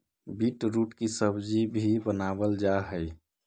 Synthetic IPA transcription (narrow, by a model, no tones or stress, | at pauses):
biʈɾuːʈkisəbd͡ʒibʱibənabəld͡ʒaɦəɪ